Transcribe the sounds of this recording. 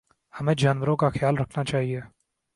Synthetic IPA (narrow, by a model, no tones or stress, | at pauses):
hɐmẽːd͡ʒaːnʋəɾõkaxjaːlɾɐkʰnat͡ʃaːɦieː